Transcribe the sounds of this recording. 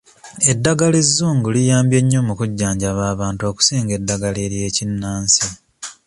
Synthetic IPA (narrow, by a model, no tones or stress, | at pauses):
e̞dːaɡalizːuːŋɡulijaːmbje̞ɲːo̞mukuɟːaːɲɟaβaːβaːntuo̞ːku̥siːŋɡe̞dːaɡaleɾje̞ːcinːaːnsi